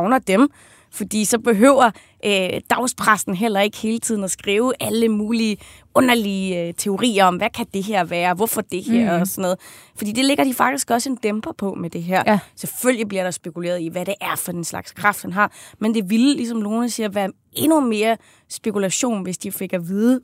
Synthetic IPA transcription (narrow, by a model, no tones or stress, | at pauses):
ʊnɐd̥em | fɒ̽d̥ḭːsɒ̽b̥e̝ɦø̰ʊ̰ɐ | ʔød̥ɑ̈ʊspʰʁasn̩ɦel̰ɐe̝ɡ̥he̝ːlət͡sʰið̰ˠn̩æsɡ̥ʁiːʊʔæləmuːliə | ɔ̽nɐlit͡sʰe̝o̝ʁḭːɐɒ̽mʋækʰæd̥e̝ɦeɐ̰ʋæːɐʋɒfɒd̥e̝heɐ̰ɒsɒ̽nːɔð̩ˠ | fɒ̽d̥ḭːd̥e̝le̝ɡ̥ɐd̥ifɑ̈ɡ̥̚d̥isɡ̥ɒ̽səe̝nd̥emb̥ɐpʰɒ̽med̥e̝ɦæɐ̰seføl̰jib̥liɐɾ̥ɑ̈sb̥e̝kʰulḛːɐðˠiʋæɾe̝ʔæɐfɒ̽d̥enslɑ̈ɡ̥skʰʁɑ̈fd̥hænɦɑ̈mend̥e̝ʋillisɒ̽mno̝ːnəsiɐʋæːɐ | e̝nume̝ːɐ | sb̥e̝kulæɕo̝̰ːnʋe̝sd̥ife̝ɡ̥ɐʋiːðˠə